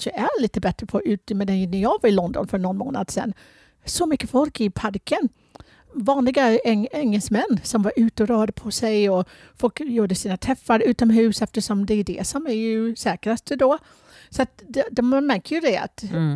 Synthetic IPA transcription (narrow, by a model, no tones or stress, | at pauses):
ʂəʔæɭiːt̪əbɛt̪ɾəpʰɔʔʉ̟ːt̪əmɛd̪ɛnæjɑːɡvaɾɪlɔnd̪ɔ̰nfœɳɔnmo̰ːna̰d̪sɛ̰nː | sɔmʏkːəfɔlkɪpʰaɾkən | vɑːnlɪɡaɛɛŋːɛlsmɛnːsɔmvɑɾʔʉ̟ːt̪əɔɾøːd̪əpʰɔsɛjɔ | fɔlkjuːɖəsiːnat̪ʰɾɛfːaɾʉ̟ːt̪ɔmɦʉ̟ːsɛft̪əʂɔmd̪ɛæɖɛ̰sɔmæɾjɵsɛːkɾast̪əd̪o | sɔat̪̚d̪d̪ɔmmæɾkəɾjɵd̪ɛa̰t̪